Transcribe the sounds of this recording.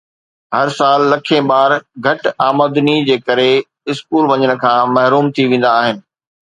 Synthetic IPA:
hɐɾsaːlːɐkʰẽbaːɾɡʱɐʈaːməːd̪nid͡ʑeːkɐɾe | ɪskuːlʋɐɲəɽ̃ə̆kʰãːmɐɦɾuːmt̪ʰiʋẽːn̆d̪aːɦɪnɪ̆

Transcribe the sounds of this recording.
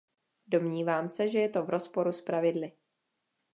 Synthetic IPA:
do̞mɲiːvaːmsɛʒɛjɛt̪o̞vɾo̞spo̞ɾuspɾavɪdlɪ

